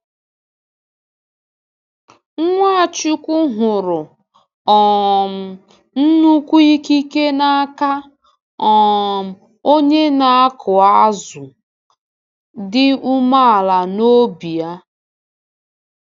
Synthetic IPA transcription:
ŋ̩˦ŋʷa˦a˨t͡ʃi˦kʷʊ˦ɦʊ˨ɾʊ˨ | ɔ˨m̩˨ | n̩˦nu˦kʷu˦i˦ki˦ke˦na˦a˦ka˦ | ɔ˨m̩˨ | o˦ɲe˦na˨a˦kʰʊ˨a˦a˦zʊ˨ | dɪ˦u˦ma˦a˨la˨no˦bi˨a˦

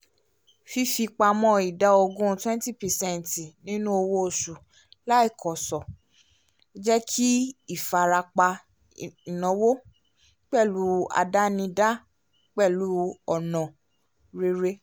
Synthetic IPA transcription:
fi˧fi˧k͡pa˧mɔ̃˧i˨da˨˦o˧ɡũ˦˧twɛ̃˦n˦ti˦˨pɛ˨sɛ̃˦n˨ti˨nĩ˦nũ˦o˧wo˦o˨su˨ | la˦i˦˨kʰɔ˨sɔ˨˦ | d͡ʒɛ˦kʰi˦i˦˨fa˨ɾa˧k͡pa˧ | i˨nɔ̃˨˦wo˦ | k͡pɛ˦˨lu˨˦a̰˧da˦nĩ˧da˦ | k͡pɛ˦˨lu˨˦ɔ˨nɔ̃˨ | ɾe˧ɾe˦

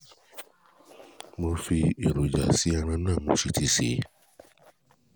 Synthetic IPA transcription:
mo˧fi˧e˨ɾo˨d͡ʒa̰˨si˨˦a˧ɾ̃ã˧nãː˦˨mõ˧˦ʃi˧ti˧sḛ˨˦

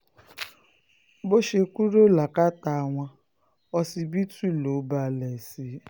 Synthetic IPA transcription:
bo˦ʃe˨kʷu˦ɾo˦˨la˨ka˦ta˨ŋʷa˦ | ɔ˦si˨bi˦tu˦˨lo˨˦ba˨lɛ˨si˨

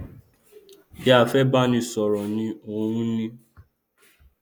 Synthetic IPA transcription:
ja˨fɛ˦ba˦nĩ˧sɔ˨ɾɔ˨nĩ˧o˦ɾũ˦nĩ˦

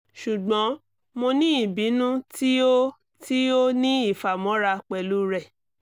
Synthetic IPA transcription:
ʃu˨ɡ͡bɔ̃˨˦ | mo˧nĩ˦i˦˨bĩ˨˦nũ˦ti˦o˦ | ti˦o˦nĩ˦i˦˨fa˨mɔ̃˨˦ɾa˧k͡pɛ˨lu˦ɾɛ˦˨

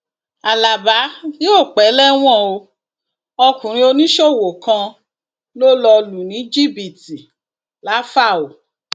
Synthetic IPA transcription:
a˨la˨ba˨˦jo˦˨k͡pɛ˨˦lɛ˦w̃ɔ̃˦˨o˧ | ɔ˧kũ˨ɾ̃ĩ˧o˧nĩ˦ʃɔ˦˨wo˨kã˧ | lo˦lɔ˧lu˨nĩ˨˦d͡ʒi˦˨bi˨ti˨ | la˨˦fa˦˨o˨

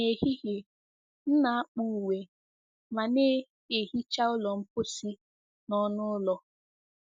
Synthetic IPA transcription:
e˨ɦi˦ɣe˨ | n̩˦na˨a˦k͡pu˨we˨ | ma˨ne˦ | e˨ɦi˦t͡ʃa˦ʊ˦lɔ˨m̩˦pʊ˦si˦ | nɔ˦nʊ˦lɔ˦

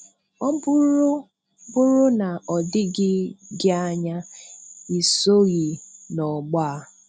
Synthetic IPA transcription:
ɔ˦bʊ˦ɾ | bʊ˦ɾʊ˦na˨ɔ˨dɪ˦ɡɪ˦ɡɪ˦a˦ɲa˦ | i˨so˦ɣi˨nɔ˨ɡ͡ba˦˨

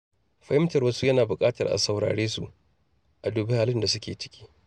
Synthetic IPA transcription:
ɸɐ˨˦hɪ˦mtɐ˨rwɐ˦su˦jɐ˦naː˨bʊ˨kʼaː˦tɐ˨rʔa̰˨sa˨wɽa̰ː˨ɽeː˦sṵ˦˨ʔ | ʔa˨duː˨bɪ˦haː˨lɪ˦nda˨sʊ˦kʲeː˨t͡ʃɪ̥˦kʲi̥ː˦

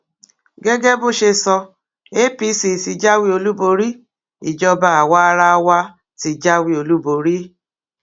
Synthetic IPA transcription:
ɡɛ˦ɡɛ˦bo˦˨ʃe˧sɔ˧ | e˦pi˦si˨si˧d͡ʒa˦wi˦o˧lu˦bo˧ɾi˦ | i˨d͡ʒɔ˧ba˦a˨wa˦ɾa˦˧wa˧ | ti˨d͡ʒa˦wi˦o˨lu˦bo˨ɾi˦

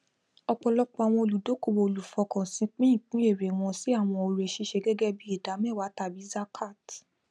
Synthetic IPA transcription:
ɔ˧k͡pɔ˧lɔ˦k͡pɔ˦˧a˨w̃ɔ̃˧o˧lu˨do˨˦ko˦˧˨wo˧o˧˨lu˨fɔ˨˧kã˨sĩ˧˦k͡pĩ˦ĩ˦˨k͡pũ˨˦e˦˨ɾe˨w̃ɔ̃˧si˨˦a˦˨w̃ɔ̃˧o˧ɾe˧˨ʃe˧˦ʃe˧ɡɛ˦ɡɛ˦bi˦i˦˨da˨˦mɛ̃˦˨wa˨˦ta˧˨bi˨˦za˦kʰa˦˨t

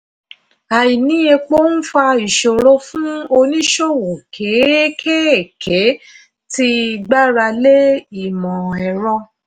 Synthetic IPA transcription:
a˨ji˨nĩ˨˦e˧k͡po˦n̩˦fa˧i˨ʃo˨ɾo˧˦fũ˦o˧nĩ˦ʃo˦˨wo˨kʰe˨˦kʰe˦ɛ˨kʰe˨˦ | ti˦i˧ɡ͡ba˦ɾa˧le˦i˨mɔ̃˨ɛ˨ɾɔ̃˧

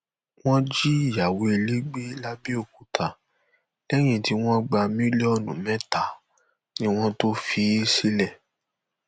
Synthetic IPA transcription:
w̃ɔ̃˦d͡ʒi˦˨ja˨we˨e˧le˦ɡ͡be˦la˦bi˦o˧˨ku˨tʰa˨ | lɛ˦j̃ĩ˦˨ti˧w̃ɔ̃˦ɡ͡ba˧mĩ˦li˦ɔ˦˨nũ˨mɛ̃˦ta˨ | nĩ˦w̃ɔ̃˦to˦fi˨˦si˦lɛ˦˨

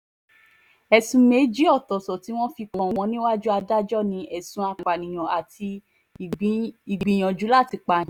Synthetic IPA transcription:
ɛ˨sũ˧me˨˦d͡ʒi˦ɔ˦˨tɔ˨sɔ˨ti˨˦w̃ɔ̃˦fi˧kɔ̃˨w̃ɔ̃˧˦nĩ˦wa˦d͡ʒu˦a˧da˦d͡ʒɔ˦˨nĩ˧˦ʔɛ˨sũ˨˦a˧k͡pa˨nĩ˨j̃ɔ̃˨a˨ti˧˨˦ | i˨ɡ͡bĩ˨j̃ɔ̃˨d͡ʒu˨˦la˦˨ti˨˧˦k͡pa˧˦ĩ˨˦

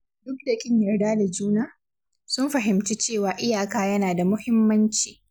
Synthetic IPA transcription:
dʊ˦k̚dɐ˨kʲʼɪ˦ɲjɐ˨rdaː˦da˨d͡ʒuː˦naː˦ | sʊ˦mɸɐ˨ɦɪ˨mt͡ʃiː˦t͡ʃeː˦˨waː˨ʔɪ˦jaː˨kaː˦jɐ˦naː˨da˨mʊ˦hɪ˦mːɐ˦nt͡ʃiː˨

